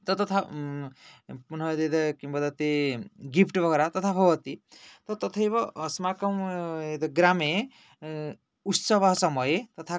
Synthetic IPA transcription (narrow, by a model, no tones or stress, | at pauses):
t̪ɔt̪ɔt̪ʰa | punʌd̪ed̪ɔkimbad̪ɔt̪eɡipʰʈbʱʌɡɔɾat̪ɔt̪ʰabʱɔbʌt̪it̪ɔt̪ɔt̪ʰɔebɔːsmakɔmed̪ɔɡɾame | ut̪sʌbaɦsɔmʌjet̪ɔt̪ʰa